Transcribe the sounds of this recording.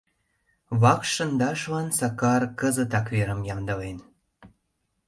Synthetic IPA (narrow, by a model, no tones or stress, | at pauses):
βɑkʃə̆nd̪ɑʃlɑnsɑkɑrkəzət̪ɑkβeɾə̆mjɑmd̪ə̆len